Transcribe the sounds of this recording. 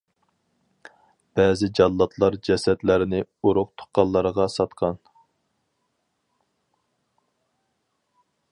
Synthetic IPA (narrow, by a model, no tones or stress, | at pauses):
b̥ɛːzɪd͡ʒɑlˠːɑt̪ʰlˠɑɾd͡ʒɛsɛt̪læɾɪnɪuɾʊqt̪ʰʊ̥χqːɑlˠːɑɾəʁɑsɑt̪qʰɑn